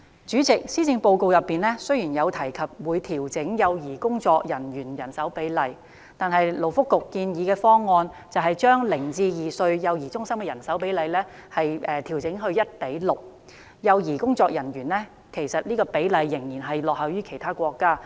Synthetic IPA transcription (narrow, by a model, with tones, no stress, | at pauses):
t͡ʃyː˨˥t͡sɪ˨k̚siː˥t͡sɪ˧ŋpo˧wko˧wjɐ˨˩pːiː˨nlɛː˥sɵ˥ɥjiː˨˩njɐ˨˧wt̪ʰɐ˨˩jkʰɐ˨p̚wuː˨˧jt̪ʰiː˨˩wt͡sɪ˨˥ŋjɐ˨˧wjiː˨˩kʊ˥ŋt͡sɔː˧k̚jɐ˨˩njyː˨˩njɐ˨˩nsɐ˨˥wpe˨˥jlɐ˧j | t̪aː˨nhɐ˨jlo˨˩wfʊ˥kːʊ˨kːiː˧njiː˨˧kɛː˧fɔː˥ŋːɔː˧nt͡sɐ˨wɦɐ˨jt͡ʃœː˥ŋlɪ˨˩ŋt͡siː˧jiː˨sɵ˧ɥjɐ˨˧wjiː˨˩t͡ʃʊ˥ŋsɐ˥mkɛː˧jɐ˨˩nsɐ˨˥wpe˨˥jlɐ˨˧jlɛː˥ | hɐ˨jɛː˨˧t̪ʰi˨˩wt͡sɪ˨˥ŋɦɵ˧ɥjɐ˥t̚pe˨˥jlʊ˨k̚ | jɐ˨˧wjiː˨˩kʊ˥ŋt͡sɔː˧k̚jɐ˨˩njyː˨˩nlɛː˥ | kʰe˨˩jsɐ˨t̚niː˥kɔː˧pe˨˥jlɐ˨˧jːɪ˨˩ŋjiː˨˩nɦɐ˨jlɔː˨k̚hɐ˨wjyː˥kʰe˨˩jt̪ʰaː˥kʷɔː˧kːaː˥